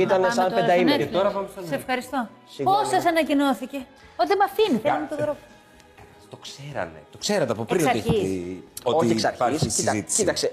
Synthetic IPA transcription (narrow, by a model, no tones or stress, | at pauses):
it̪ɐnsed̪ɐimneeoɾɐvɐmsɐssefxɐɾist̪o̞ | posːɐsɐnɐcinoθice̞ | ot̪imɐfinint̪oðɾop | ɐ̥ | t̪o̞kseɾɐ̰nḛt̪o̞kse̞ɾɐt̪eɐpopɾinsosɐɾieiooçeksɐɾsiɐzit̪sit̪ɐkse